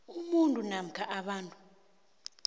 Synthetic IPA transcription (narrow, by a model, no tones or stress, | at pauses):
umuntʼunam̩kʰaʔaɓaːntʼu̥